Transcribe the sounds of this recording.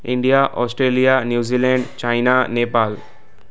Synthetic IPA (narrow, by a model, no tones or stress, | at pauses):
ɪ̃ɳɖijaʔɔːsʈɾeːlijanjuːziːlɛɳɖt͡ʃaɪnaneːpaːl